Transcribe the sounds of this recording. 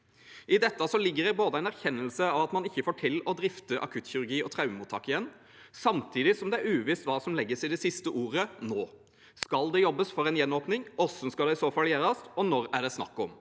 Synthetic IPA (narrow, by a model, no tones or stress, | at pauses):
ʔɪd̪ɛt̪ːɑsɔlɪɡːəɾɛboːd̪əæɪnæɾçɛnːəlsəɑʋɑt̪mɑnɪçːəfoːʈʰɪlɔd̪ɾɪft̪əʔɑ̰kʰʉt̪çʏɾʉɾɡiːɔt̪ʰɾɑʉmuːt̪ʰɑ̰ːkɪjɛnː | sɑmt̪ʰiːd̪ɪsɔmd̪ɛæɾʉːʋɪst̪ʋɑːsɔmlɛɡːəsɪd̪ɛsɪst̪əʔuːɾənoː | skɑld̪ɛjɔbːəsfɔɾɛnjɛnːoːpnɪŋɔsənskɑlɛɪsoːfɑljeːɾɑst̪ɔnɔɾæɖɛsnɑ̰kːɔm